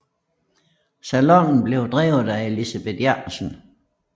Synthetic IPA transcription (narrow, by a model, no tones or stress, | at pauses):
sælɔŋ̰n̩b̥le̝ʊd̥ʁɛ̰ːʊð̩ˠæe̝lisæb̥e̝d̥jɑsən